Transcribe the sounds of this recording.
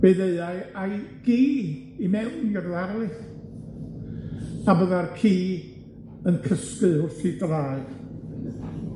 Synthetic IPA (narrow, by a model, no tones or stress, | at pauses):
b̥eðeɨaɨajɡ̥iː | imɛwnjɔrðaɾlˠɨ | abɔðarkʰiː | ənkʰəskɨʊrθidraːɨð